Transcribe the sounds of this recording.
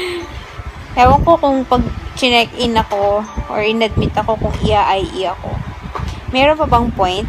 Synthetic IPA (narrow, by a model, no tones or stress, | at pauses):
hawɐŋkokʊŋpɐɡ̚t͡ʃɪnɛkʔɪnɐko̞ʔo̰ɹɪnɐd̪̚mɪt̪ɐko̞kʊŋʔɪjaʔɐjʔɪ̰jako̞̰ | mɛːɾonpɐbɐŋpojnt̪